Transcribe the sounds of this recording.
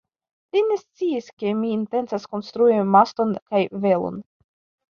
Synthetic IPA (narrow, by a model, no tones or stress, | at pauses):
line̞st͡siiske̞miːnte̞nt͡sasko̞nst̪ɾuimast̪o̞nkajve̞lo̰n